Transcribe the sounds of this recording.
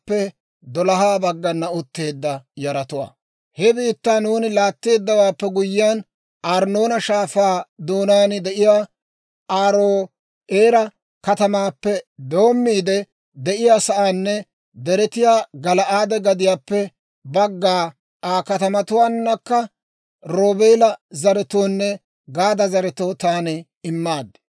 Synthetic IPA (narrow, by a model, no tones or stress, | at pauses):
pːɛ | d̪ɔlɐɦaːbɐɡːɐnːɐʊt̪ːe̞ːd̪ːɐjɐɾɐt̪ʊwa̰ː | hɛbiːt̪ːanuːnɪlaːt̪ːe̞ːd̪ːɐwaːpːɛɡʊjːɪjaːn | ʔaːɾno̞ːnɐʃaːfaːd̪oːnaːnɪd̪ɛʔɪjaː | aːɾoː | eːɾɐ | kɐt̪ɐmaːpːɛd̪o̞ːmːiːd̪ɛ | d̪ɛʔɪjaːsɐʔaːnːɛ | d̪ɛɾɛt̪ɪjaːɡɐlɐʔaːd̪ɛɡɐd̪ɪjaːpːɛ | bɐɡːaː | ʔaːkɐt̪ɐmɐt̪ʊwaːnːɐkːɐ | ɾo̞ːbeːlɐzɐɾɛt̪oːnːɛ | ɡaːd̪ɐzɐɾɛt̪oːt̪aːnɛ | ɪmːaːd̪ːɛ̥